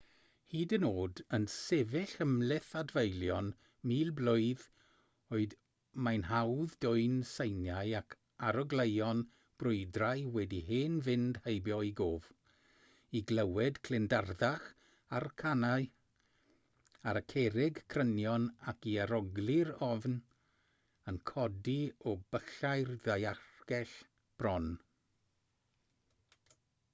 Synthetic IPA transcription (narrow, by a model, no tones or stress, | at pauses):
hiːdənoːdənsɛvɪɬəmlɪθadvejlˠjɔn | miːlˠblʊɨð | oːɨd | majnhawðdʊɨnsejnjajakʰ | aɾɔɡlˠejɔn | b̥rʊɨdrajwɛdiheːnvɪnd̥hejbjɔiɡoːv̥ | iɡlˠɛwɛdkʰlɪndarðaχ | arkʰanaɨ | aɾəkʰɛɾɪɡkʰrənjɔnakiaɾɔɡlˠɪɾɔvn | ənkʰɔdiɔbəɬajrðajarɡ̥ɛɬ | b̥rɔn